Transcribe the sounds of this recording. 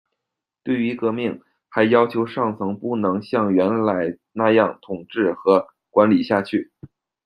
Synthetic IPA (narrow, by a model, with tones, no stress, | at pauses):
t̪we˥˩ɪy˧˥kɤ˧˥mi˥˩ŋ | xa˧˥ɪjɑ˥ʊt͡ɕʰjo˧˥ʊʂɑ˥˩ŋt͡sʰɤ˧˥ŋpu˥˩nɤ˧˥ŋɕjɑ˥˩ŋɥɛ˧˥nla˧˥ɪ | na˥˧jɑ˥˩ŋt̪ʰʊ˨˩ŋʈ͡ʂɻ̩˥˩xɤ˧˥ | kwa˧˥nli˨˩ɕja˥˧t͡ɕʰy˥˩